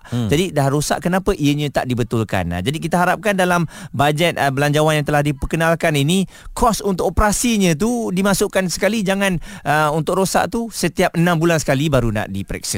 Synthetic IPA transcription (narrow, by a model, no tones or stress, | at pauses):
d͡ʒadidahɾosa̰ʔkənapəʔiəɲə̃t̪a̰ʔdibət̪ʊlka̰na̰d͡ʒadik̬it̪aɦaɾap̚kandalambad͡ʒɛt̪̚əbəlaɲd͡ʒawanjãŋt̪əlahdipəkənalkanini | kʰɔsunt̪ʊkopəɾasiɲə̃t̪̬udimasʊʔkansə̥kalid͡ʒaŋãnəunt̪ʊkɾosa̰ʔt̪usət̪iap̚ənãmbulansə̥kalibaɾuna̰ʔdipɾɛ̰k̚sḭ